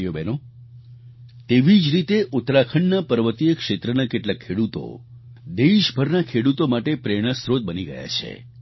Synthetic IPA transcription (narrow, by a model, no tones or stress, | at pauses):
jobɛno | t̪eʋid͡ʒɾit̪eʔʊt̪ɾakʰəɳnapəɾʋət̪ijəkʃet̪ɾənakeʈlakʰːeɽut̪o̰ | d̪eʃbʱəɾnakʰeɽut̪omaʈepɾeɽ̃əsɾod̪̚bəniɡəja̰t͡ʃʰḛ